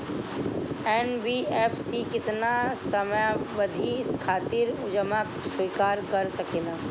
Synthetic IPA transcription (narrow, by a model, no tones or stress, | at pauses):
ɛːnbieːpʰsikɪt̪nasəmjaʋəd̪ʱiskʰaːt̪ɪɾʊd͡ʒəmakswiːkaːɾkɐɾsɐkeːnaː